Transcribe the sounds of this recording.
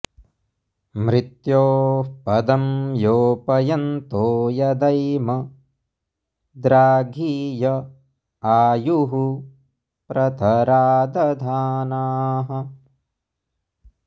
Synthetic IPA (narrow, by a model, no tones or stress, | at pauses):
mɾɪt̪joːpɐd̪ɐmjoːpɐjɐnt̪oːjɐd̪ɐjmɐ | d̪ɾaːɡʱiːjɐ | aːjuɦu | pɾɐt̪ʰɐɾaːd̪ɐd̪ʱaːnaːɦɐ